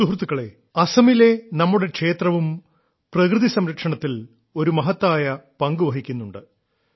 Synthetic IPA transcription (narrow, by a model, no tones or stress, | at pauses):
uɦrt̪ːukːɐɭe̞ | ɐsɐmile̞nɐmːuɽe̞kʂe̞ːt̪rɐʋum | prɐkrɨðisɐmɾɐkʂɐɳɐt̪ːil | o̞ɾumɐɦɐt̪ːaːjɐpɐŋɡuʋɐɦikʲːunːuɳɖɨ